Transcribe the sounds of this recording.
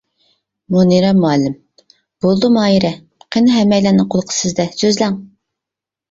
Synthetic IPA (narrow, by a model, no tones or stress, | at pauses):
muniɾɛmuɛlːɪm | b̥olˠd̪umɑːjiɾɛ | qʰenɨɦɛmːɛjlænɨqʰolˠqʰə̥sɪzd̪ɛsøzlæŋ